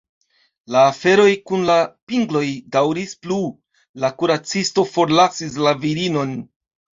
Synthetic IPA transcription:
laːfe̞ɾo̞jkunlapiŋɡlo̞jdawɾisplu | lakuɾat͡sisto̞fo̞ɾlasis̬laviɾino̞n

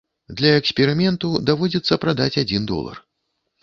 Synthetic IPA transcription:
d̪lʲɐɛksʲpʲɛɾɨmʲɛnt̪ud̪avɔd͡zʲit̪sːɐpɾad̪at͡sʲad͡zʲind̪ɔ̰lˠɐ̰r

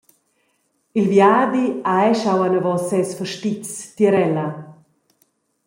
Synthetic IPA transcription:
ilvjaːd̪iaɛʃawanavɔsɛsfəʃtit͡st̪jəɾɛla

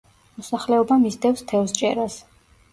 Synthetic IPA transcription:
mɔsaχlɛɔbamisd̪ɛfst̪ʰɛvst͡ʃʼɛ̰ɾas

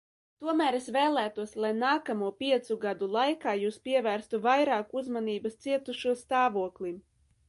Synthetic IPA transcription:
t̪uɔmæːɾesvɛːlˠæːt̪uɔslˠajnaːkamuɔpʲiɛt̪suɡad̪ulˠajkaːjuːspʲiɛvæːɾst̪uvajɾaːkuzmaniːbast̪siɛt̪uʃuɔst̪aːvuɔklˠim

